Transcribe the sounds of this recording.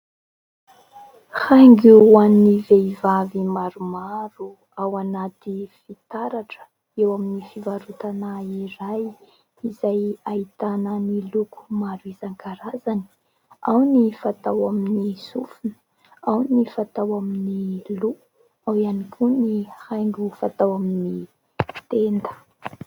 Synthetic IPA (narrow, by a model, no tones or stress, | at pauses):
haŋɡuwaniveivavimaɾumaɾu | awanat̪ifit̪aɾaʈ͡ʂə̥ | ewaminifivaɾut̪anaiɾaj | izajait̪anənilukʰu̥maɾuizaŋkaɾazani̥ | awnifat̪awaminisufunə̥ | awnifat̪awaminilu | awianikʲʰunihajŋɡufat̪awamini | t̪end̪ə̥